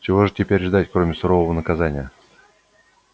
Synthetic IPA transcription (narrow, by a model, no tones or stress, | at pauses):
t͡ɕɪvo̞ʐɨtʲɪpʲeɾʲʐd̪atʲkɾomʲɪsʊɾo̞vəvənəkɐzanʲɪjə